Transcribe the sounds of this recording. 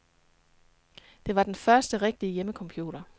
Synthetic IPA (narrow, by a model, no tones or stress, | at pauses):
d̥e̝ʋɑ̈d̥enfɶɐsd̥əʁeɡ̥̚d̥iəjeməkʰɒ̽mpʰjṵːɾ̥ɐ